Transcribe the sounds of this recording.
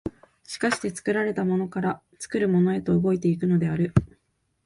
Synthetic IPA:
ɕi̥kaɕi̥t̪e̞t͡sɨ̥kɯ̟ɾaɾe̞t̪amo̞no̞kaɾa | t͡sɨ̥kɯ̟ɾɯ̟mo̞no̞e̞t̪o̞ɯɡo̞it̪e̞ik̬ɯ̟no̞d̪e̞aɾɯ̟

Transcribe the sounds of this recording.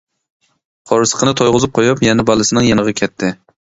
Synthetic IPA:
qʰɒɾɨsɨ̥qʰɨnɨt̪ʰojʁʊzɨp̚qʰojɑpjɛnɛbɑlˠɨsɪnɪŋjɛnɨʁɑkʲʰɛt̪ʰːɪ

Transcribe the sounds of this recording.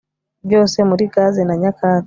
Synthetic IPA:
d͡ʒɔsɛmuɾikazɛnaɲakʰa

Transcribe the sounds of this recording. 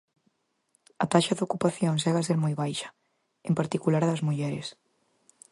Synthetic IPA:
ɐt̪aʃɐðokupaθjoŋsɛɣas̬eɾmojβajʃɐ̥ | empaɾt̪ikulaɾðɐzmuʎɛɾɪ̰s

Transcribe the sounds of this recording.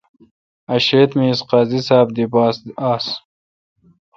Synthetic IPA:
ɐɕeːt̪miːsqaːzisaːb̚d̪ibaːsd̪aːs

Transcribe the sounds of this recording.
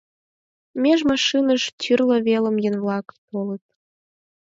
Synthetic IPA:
mʲeʒmɑʃɨnəʃt̪ʲʰyrlə̆βelə̆mjə̆nvlˠɑkpolət̪̚

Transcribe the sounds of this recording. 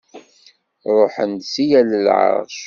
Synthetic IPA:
ɾˤoħənd̪sijæləlʕə̰ɾðʃ

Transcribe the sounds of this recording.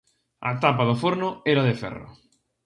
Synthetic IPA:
a̰t̪apaðʊfoɾnʊɛɾaðɪfɛ̰rʊ̰

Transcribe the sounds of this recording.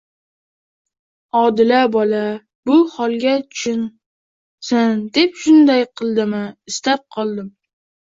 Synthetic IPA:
ɒd̪ɪlabɒla | bʊhɒlˠɡʲatʰʊ̥ʃʊn | sand̪e̞p̚ʃʊnd̪ajqʰɨlˠd̪ɪmɪɪst̪ap̚qʰɒlˠd̪ɪm

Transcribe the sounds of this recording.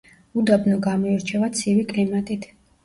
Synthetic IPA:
ud̪abnɔɡamɔiɾt͡ʃʰɛvat̪sʰivikʼlimat̪ʼit̪ʰ

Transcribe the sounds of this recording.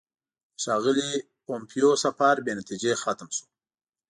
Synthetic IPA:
ʃɑɣəli | pompʰijosafɑɾbenat̪id͡ʒexat̪mʃu̥

